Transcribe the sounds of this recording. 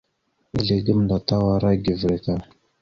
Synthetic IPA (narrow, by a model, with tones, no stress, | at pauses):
i˦ɮe˨ɡə˦mnda˨ta˦wa˨ɾa˦ɡʲi˨vɾe˨ka˦˨